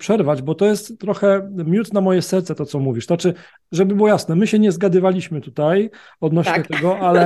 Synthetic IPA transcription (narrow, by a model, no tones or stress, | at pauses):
pʂɛɾvad͡ʑbɔt̪ɔjɛst̪ːɾɔxɛmʲjut̪namɔjɛsɛɾt̪sɛt̪ɔt̪sɔmuvʲiʂt̪at͡ʂɘ | ʐɛbɘbɘwɔjasnɛmɘɕɛɲɛzɡad̪ɘvalʲiɕmɘt̪ut̪aj | ɔd̪nɔɕɲɛt̪ɛɡɔʔalɛ